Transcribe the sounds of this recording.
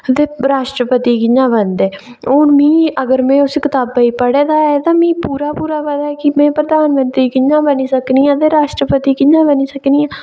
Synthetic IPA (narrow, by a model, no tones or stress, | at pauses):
t̪eːɾaːʃʈɾəpət̪iːkɪɲãːbənd̪eː | oːnmĩːəɡəɾmɛ̃ːʊskɪt̪aːbaiːpəɽeːd̪aːɛt̪ãːmĩːpuːɾaːpuːɾaːbəd̪aːɛːkɪmɛ̃ːpɾəd̪aːnmənt̪ɾiːkɪɲãːbəniːsəkniːãːt̪eːɾaːʃʈɾəpət̪iːkɪɲãːbəniːsəkniːãː